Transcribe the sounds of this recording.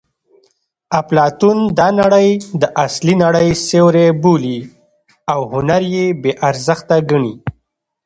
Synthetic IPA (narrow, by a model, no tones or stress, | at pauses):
aplɑt̪und̪ɑnaɽəjd̪əʔaslinaɽəjsewɾebuli | awhʊnaɾjebeʔaɾzəxt̪aɡaɳi